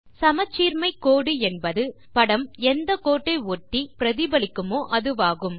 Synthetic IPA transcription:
sɐmɐt͡ʃːiːɾmɐɪkːoːɽɯɛnbɐðɯ | pɐɽɐmɛnd̪ɐkoːʈːɐɪoːʈːipɪɾɐðɪbɐlɪkːɯmoːʔɐðɯʋaːɣɯm

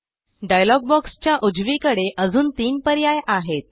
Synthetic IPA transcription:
ɖajlɔɡ̚bɔkst͡ɕjaʔud͡zʋikəɽeʔəd͡zuːnt̪iːnpəɾjajʔaɦet̪̚

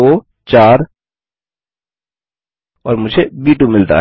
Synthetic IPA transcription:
o | t͡ʃaːɾ | ɔːɾmʊd͡ʒʱebiːʈumɪlt̪a̰

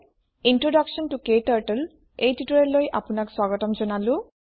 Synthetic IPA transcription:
intɹɔdaksɔntʊkejtaɹʈəl | ejtitɔɹɛlojʔa̰pʊnakswaɡɔtɔmzɔnalʊ

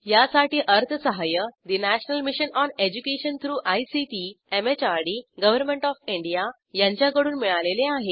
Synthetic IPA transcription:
jasaʈiːʔəɾt̪ʰəsəɦajəd̪inæɕnəlmiɕənɔned͡ʑukeɕənt̪ʰɾuːʔajsitiemet͡ɕaɾɽiːɡəʋəɾmeɳʈɔfiɳɖija | jãɲt͡ɕjakəɽuːnmiɭaleleaɦe

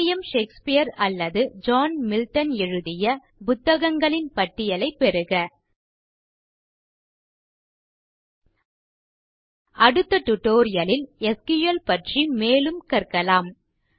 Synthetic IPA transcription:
jɐmʃeːkspɪjɐɾɐlːɐðɯd͡ʒaːnmɪlʈɐnɛɻɯðɪjɐ | pʊt̪ːɐɣɐŋɡɐɭɪnpɐʈːɪjɐlɐɪpːɛɾɯɣɐ | ʔɐɽɯt̪ːɐʈ̪ʊʈːoːɾɪjɐlɪlɛskɯjɐlpɐʈrimeːlɯmkɐɾkɐlaːm

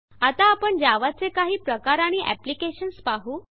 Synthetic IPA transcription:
at̪aːpəɳd͡ʑaʋat͡sekaɦiːpɾəkaɾaɽ̃iʔæ̰plikeɕənspaɦuː

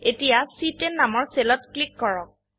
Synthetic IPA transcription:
etijasitenːamɔɹselɔtklikːɔɹɔk̚

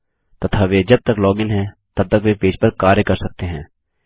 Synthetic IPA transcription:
t̪ɐt̪ʰaːʋeːd͡ʒɐb̚t̪əklɔːɡɪnɦɛ̃ːt̪ɐb̚t̪ɐkʋepeːd͡ʒpɐɾkaːɾjəkɐɾsɐk̚t̪eɦɛ̃ː

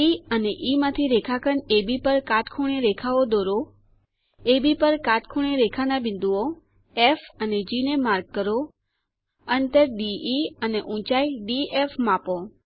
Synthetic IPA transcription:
iəneʔimãt̪ʰiɾekʰakʰənebipəɾkaʈkʰuɽ̃eɾekʰaʋod̪oɾo | ebipəɾkaʈkʰuɽ̃eɾekʰanabɪ̃nd̪uo | efəned͡ʒinemaɾɡ̚kːəɾo | ənt̪əɾɖiiəneʔũt͡ʃaiɖiefmãpo

